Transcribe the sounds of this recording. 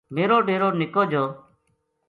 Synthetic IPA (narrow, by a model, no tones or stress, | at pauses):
meːɾoːɖeːɾoːnɪkoːd͡ʒoː